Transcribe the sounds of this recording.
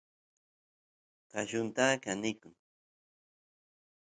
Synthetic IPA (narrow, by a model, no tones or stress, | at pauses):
kaʃʊnt̪aːkanɪkʊŋ